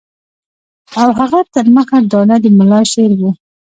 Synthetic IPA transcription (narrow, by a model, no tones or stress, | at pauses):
awɦaɣat̪əɾməxaɖɑnad̪əmʊlɑʃeɾwu